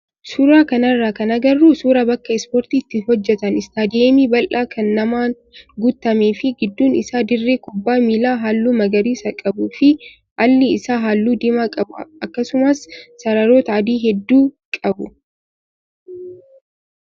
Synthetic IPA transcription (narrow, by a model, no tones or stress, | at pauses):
suːɾaːkɐnɐrːaːkɐnɐɡɐrːuːsuːɾabɐkːɐɛspoːɾt̪iːt̪ːɪhɔd͡ʒːɛt̪ɐnɪst̪aːd̪ɪemiːbɐlʔaːkʰɐnːɐmaːn | ɡʊt̪ːɐmeːfɪɡɪd̪ːuːnɪsaːd̪ɪrːeːkʼʊbːaːmilaːɦaːlːuːmɐɡɐɾiːsɐkʼɐbuːfɪ | ʔɐlːɪɪsaːɦaːlːuːd̪ɪmakʼɐbʊɐkːɐsʊmɐsːɐɾɐɾoːt̪ɐːd̪iːɦɛd̪ːuː | kʼɐbʊ